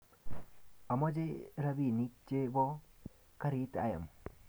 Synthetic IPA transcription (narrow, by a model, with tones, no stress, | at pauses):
a˨mɔ˦d͡ʒe˦ɾa˦bi˨ni˦t͡ʃe˦bɔ˦ | ka˦ɾi˦ta̰˨ja̰˨m